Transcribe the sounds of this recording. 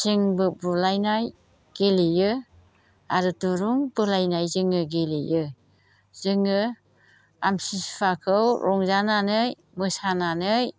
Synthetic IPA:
z̥ɯŋbɯbulajnaj | ɡ̥elijɯ | aɾɯtuɾuŋbɯlajnajzɯŋɯɡelijɯ | z̥ɯŋɯ | amsipʰakʰɯwɾʔɔŋzananɯj | mɯsananɯj

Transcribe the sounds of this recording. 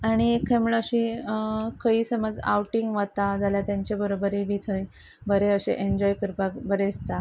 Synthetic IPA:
aɽ̃iekʰamuɭəɕi | kəiːsəməd͡za̰wʈiŋɡʋat̪ad͡zʱaljat̪jaɲt͡ɕabəɾobəɾibit̪ʰəj | bəɾeəɕḛʔeɲd͡ʑɔjkəɾpakbəɾed͡zt̪a

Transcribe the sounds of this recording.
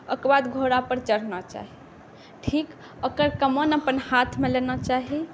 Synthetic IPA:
əkbad̪ɡʱoɾapəɾt͡ʃəɾnɔt͡ʃa̰ɦi | ʈʰik | əkəɾkəmənəpənhat̪ʰmelenɔt͡ʃaɦi

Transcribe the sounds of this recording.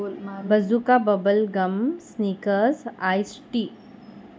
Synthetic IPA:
bɐzukabɐbəlɡɐmsniːkəɾsaːjsʈiː

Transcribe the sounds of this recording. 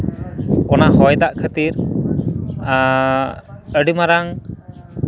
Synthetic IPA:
ɔnaɦɔjd̪aʔkʰət̪iɾ | əɖimaɾaŋ

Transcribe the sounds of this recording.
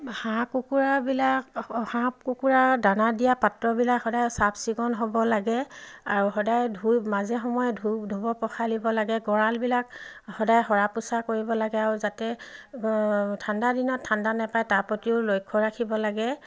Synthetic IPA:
hãkukuɹabilakhãpkukuɹadanadijapatɹɔbilakhɔdajsabsiɡɔnɦɔbɔlaɡɛaɹuɦɔdajdʱumazɛxɔmɔjɔdʱudʱubɔpɔxʰalibɔlaɡɛɡɔɹalbilakhɔdajxɔɹapusakoɹibɔlaɡɛaɹuzatɛ | tʰandadinɔtʰːandanɛpajtapotiʊlojkʰːɔɹakʰibɔlaɡɛ

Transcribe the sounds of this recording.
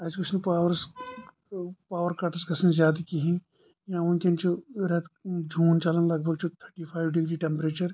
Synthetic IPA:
ɐd͡ʒkʊt͡ʃʰnɐpaːʋəɾs | paːʋəɾkɐʈsɡɐsɐnzjaːd̪akiɦĩ | jãʊnkeɐnt͡ʃuɾɐt̪ʰd͡ʒʱuːnt͡ʃɐlənlɐɡbʱɐɡ̚t͡ʃut̪ʰəɾʈipʰaːjʋɖɪɡɾiːʈẽmpɾeːt͡ʃɐɾ

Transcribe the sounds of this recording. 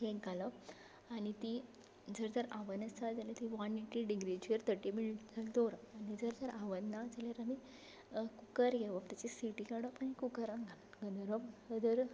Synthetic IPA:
ɦeɡʱalə | añit̪i | d͡zəɾd͡zəɾaʋənəst͡sad͡zalat̪iʋaniʈiɖiɡɾid͡ʑiəɾt̪əʈimiɭd͡zəld̪oɾanid͡zəɾd͡zəɾʔaʋənnad͡zaljaɾami | kukəɾɡeʋəpt̪at͡ɕisiʈikaɽəpanikukəɾãɡʱal | ɡənɾəpəd̪əɾ

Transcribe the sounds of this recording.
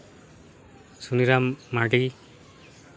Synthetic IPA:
suniɾamːaʈi

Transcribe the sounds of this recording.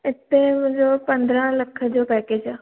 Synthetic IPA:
ɪt̪emʊ̃d͡ʑopɐ̃nd̪ɾə̃lɐkʰə̆d͡ʑoːpɛːked͡ʑaː

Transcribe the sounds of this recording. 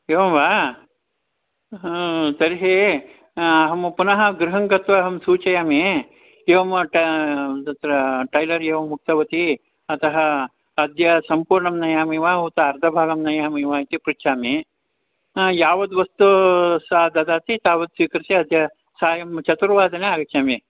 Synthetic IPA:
eːʋɐmʋaː | t̪ɐɾiɦeː | ɐɦɐmpunɐɦɐ̆ɡɾɪɦɐŋɡɐt̪ʋɐːɦɐmsuːt͡ʃɐjaːme | eːʋɐmʈɐɐt̪ɾɐʈɐjlɐɾeːʋɐmːuk̚t̪ɐʋɐt̪i | ɐt̪ɐɦɐː | d̪ʱjɐsɐmpuːɾɳɐmnɐjaːmiːʋaːɦuːt̪ɐɐɾd̪ʱɐbʱaːɡɐmnɐjaːmiːʋaːit̪ipɾitt͡ʃʰaːme | jaːʋɐd̪uʋɐst̪usaːd̪ɐd̪aːt̪it̪aːʋɐd̪sʋiːkɐɾisiɐd̪ʱjɐ | saːjɐmt͡ʃɐt̪uɾʋaːd̪ɐneaːɡɐkt͡ʃaːmeː

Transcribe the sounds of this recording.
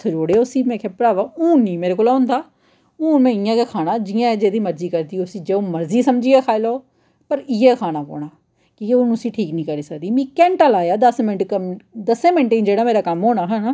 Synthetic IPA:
t̪ʰːd͡ʒoːɽeːʊsiːmɛ̃ːkʰeːpɾaːʋaːũːĩːmeːɾeːkoːlãːnd̪aː | ũːnmɛ̃ːɪjãːkeːkʰaːnãːd͡ʒijãːɛːd͡ʒeːd̪iːməɾziːkəɾd̪iːosĩːd͡ʒeːõːməɾziːsəmd͡ʒiːɛːkʰaːɪloː | pəɾɪːɛːkʰaːnaːpo̰ːɳaː | kiːkeʊnũəsiːʈʰiːknĩːkəɾiːsəkd̪iːmĩːkɛ̃ːɳʈəlaːjaːd̪əsmɪnʈkəd̪əsẽːmẽɳʈẽːnd͡ʒeːɽaːmeːɾaːkəmɦoːnaːɦɛ̃ːnaː

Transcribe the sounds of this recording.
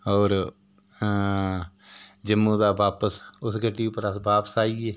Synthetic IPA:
ɦoːɾ | d͡ʒəmːũːd̪aːbaːpəsʊsɡəʈːiːʊpːəɾəsbaːpə̥saːiːeː

